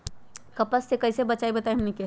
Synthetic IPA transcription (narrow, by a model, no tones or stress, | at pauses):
kɐpəsːekɐɪsebɐt͡ʃaibɐt̪aɦmnike